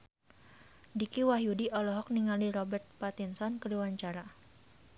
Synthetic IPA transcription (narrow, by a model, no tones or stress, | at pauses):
dikiwaɦjudiʔɔlɔɦɔk̚niŋaliɾɔbɛrt̪̚pat̪insɔnkəluwaɲt͡ʃaɾa